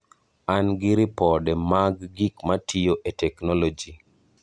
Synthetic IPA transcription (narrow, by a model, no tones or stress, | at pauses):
anɡɪɾɪpɔdɛmaɡɡikmatʰijoʔetɛknɔlod͡ʒi